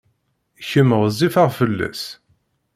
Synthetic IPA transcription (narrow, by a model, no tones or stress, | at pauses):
çəməʁzifaʁfəlːæ̰s